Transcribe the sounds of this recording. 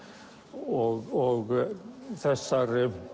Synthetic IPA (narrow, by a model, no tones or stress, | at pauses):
ɔɣɔɣθɛsːaɾɪ